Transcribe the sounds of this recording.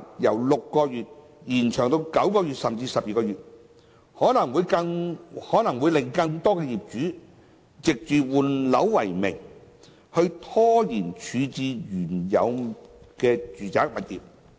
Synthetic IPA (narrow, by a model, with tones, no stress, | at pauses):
jɐ˨˩wlʊ˨kːɔː˧jyː˨t̚ | jiː˨˩nt͡ʃʰœː˨˩ŋt̪o˧wkɐ˨˥wkɔː˧jyː˨t̚sɐ˨˩mt͡siː˧sɐ˨p̚jiː˨kɔː˧yː˨t̚ | hɔː˨˥nɐ˨˩ŋwuː˨˧jkɐ˧ŋhɔː˨˥nɐ˨˩ŋwuː˨˧jlɪ˨˩ŋkɐ˧ŋt̪ɔː˥kɛː˧jiː˨p̚t͡ʃyː˨˥ | t͡sɪ˨k̚t͡ʃyː˨wuː˨˩nlɐ̰˨˥wwɐ˨˩jmɪ̰˨˩ŋ | hɵ˧ɥt̪ʰɔː˥jiː˨˩nt͡ʃʰyː˨˧t͡siː˨˧jyː˨˩njɐ̰˨˧wkɛː˧t͡ʃyː˨t͡saː˨˥k̚mɐ˨t̚jiː˨˩p̚